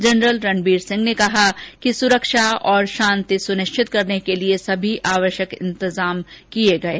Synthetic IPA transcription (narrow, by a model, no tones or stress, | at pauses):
d͡ʒɐnɾəlɾɐnbiːɾsɪ̃ŋɡnekɐɦakisʊɾəkʃaɔːɾʃãːnt̪isʊnɪʃt͡ʃʰɪt̪kɐɾnekeliesɐbʱiʔʔaːʋəʃjəkɪ̰̃nt̪ɪzaːmkieɡɐeː